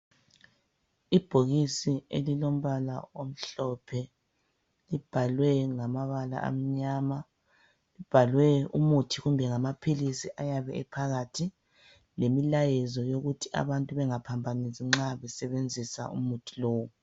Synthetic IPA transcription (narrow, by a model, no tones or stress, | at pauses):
ib̥ʱoɣisiḛlilom̩βala̰om̩ɬɔpʰɛ | lib̥ʱalwɛŋamaβala̰ʔa̰m̩ɲama | lib̥ʱalwɛumutʰiɣumbʱɛŋamapʰilisiʔajaβɛ̰ɛpʰaɣatʰi | lemilajɛzɔjoɣutʰiʔa̰βantʼuβɛŋapʰambʱaniziŋ͡ǁaβɛsɛβend͡zʱisa̰ṵmutʰi̥loːwu